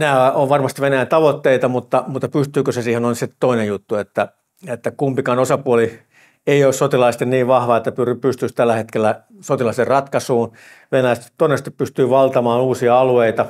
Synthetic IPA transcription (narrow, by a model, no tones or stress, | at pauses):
næːoʋʋɑrmɑst̪iʋʋenæjænt̪ɑʋot̪ːeit̪ɑmut̪ːɑmut̪ːɑpyst̪yːkøsesiːhenoinsit̪oinejut̪ːuet̪ːæ | et̪ːækumpikɑnosɑpuoli | eioˑssot̪ilɑist̪enniːʋʋɑhʋɑet̪ːæpyrypyst̪yst̪ælːæhet̪kelːæ | sot̪ilɑserrɑt̪kɑsuːn | ʋenæjæst̪tt̪ːoinest̪ippyst̪yːʋɑlt̪ɑmɑːnuːsiɑɑlueit̪ɑ